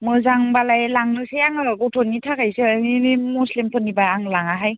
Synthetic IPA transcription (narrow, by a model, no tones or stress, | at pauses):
mɯzaŋbalajlaŋnɯsejaŋɯɾɔɡɔwtʰɔnːitʰakajseninimuslimpʰɯnibaːŋlaŋaɦaj